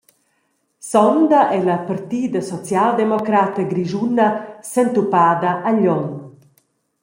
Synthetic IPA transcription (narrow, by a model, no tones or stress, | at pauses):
sɔnd̪ɐʔɛlɐpaɾt̪iːd̪ɐsɔt͡sjald̪emɔkɾat̪əɡɾiʒunːɐsənt̪upaːd̪ɐʔːʎɔŋ